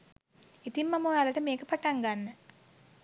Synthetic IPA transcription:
it̪imːɐmoːjaːlɐʈɐmeːkɐpɐʈɐŋɡanːɐ

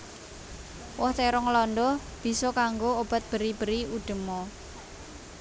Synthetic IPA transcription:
wɔhteɾɔŋlɔnd̪ɔh | b̥i̤sɔkaŋɡoob̥a̤t̪̚b̥ə̤ɾib̥ə̤ɾiuɖ̪̥ə̤mɔ

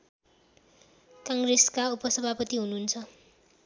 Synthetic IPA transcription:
kaŋɡreskaupʌsʌbʱapʌt̪iɦununt͡sʰʌ

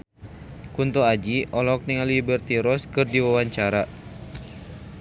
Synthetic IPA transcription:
kunt̪uad͡ʒiʔɔlɔk̚niŋalibərt̪iɾɔskɨrdiwawaɲt͡ʃaɾa

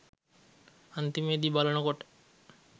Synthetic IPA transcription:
ant̪imed̪ibalonokoʈe̥

